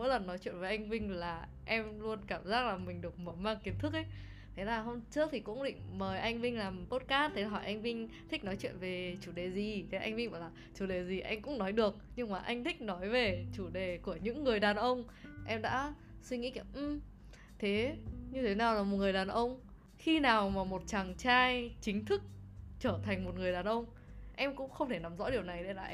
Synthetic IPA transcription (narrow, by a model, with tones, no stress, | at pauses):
mo̰˧˥jlə˨˩nːɔ˨˦jt͡ɕwḭ˧˨ə˨nve˨˩jʔa˧jŋ̟vï˧ŋ̟laː˨˩ | ʔɛ˧mlu˧ənkaː˧˩mzaː˦˥k̚laː˨˩mï˨˩ŋ̟ɗɨ˨˩ək̚məː˨˩maː˧ŋki˨˦ənt̪ʰɨ˦˥k̚ʔə˨˦j | t̪ʰe˨˦laː˨˩ɦo˧ŋ͡mt͡ɕɨ˦˥ək̚t̪ʰi˨˩kʊ̰˧˥ŋ͡mɗḭ˧˨ŋ̟məː˨˩jʔa˧jŋ̟vï˧ŋlaː˨˩mt̪o˦˥t̚kaː˦˥st̚t̪ʰːe˨˦n˨˩ɦɔ˧˩jʔa˧jŋ̟vï˧ŋ̟t̪ʰï˦˥k̟̚nɔ˨˦jt͡ɕwḭ˧˨ənve˨˩t͡ɕu˧˩ɗe˨˩zi˨˩t̪ʰe˨˦ʔa̰˧jŋ̟vi˧va̰ː˧˩wlaː˨˩t͡ɕu˧˩ɗe˨˩zi˨˩ʔa˧jŋ̟kʊ̰˧˥ŋ͡mnɔ˨˦jɗɨ˨˩ək̚ɲɨ˧ŋmaː˨˩ʔa̰˧jŋ̟t̪ʰï˦˥k̟̚nɔ˨˦jve˨˩t͡ɕu˧˩ɗe˨˩ku˧˩əɲɨ̰˧˥ŋːɨ˨˩əjɗaː˨˩nʔə˧wŋ͡m | ʔɛ˧mɗa̰ː˧˥ | swi˧ŋḭ˧˥i˧˩ʔ̩˧˩ | t̪ʰe˨˦ɲɨ˧t̪ʰe˨˦naː˨˩wlaː˨˩mo˨˩t̚ŋɨ˨˩əjɗaː˨˩nʔə˧wŋ͡m | xi˧naː˨˩wmaː˨˩mo˨˩t̚t͡ɕa˨˩ŋt͡ɕaː˧jt͡ɕï˨˦ŋ̟t̪ʰɨ˦˥k̚t͡ɕəː˧˩t̪ʰa˨˩jŋ̟mo˨˩t̚ŋɨ˨˩əjɗaː˨˩nʔə˧wŋ͡m | ʔɛ˧mkʊ̰˧˥ŋ͡mxə˧wŋ͡mt̪ʰe˧˩na˨˦mzɔ̰˧˥ɗi˨˩əwna˨˩jɗḛ˧˥laː˨˩ʔ